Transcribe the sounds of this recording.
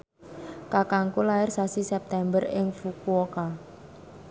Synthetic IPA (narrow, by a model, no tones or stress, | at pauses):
kakaŋkulaɪrsasisɛp̚t̪ɛmbərɪŋfukuoka